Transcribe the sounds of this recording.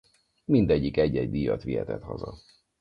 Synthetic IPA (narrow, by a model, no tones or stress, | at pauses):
mind̪ɛɟːikɛɟːɛɟd̪ijɒt̪ʋiɦɛt̪ɛt̪hɒzɒ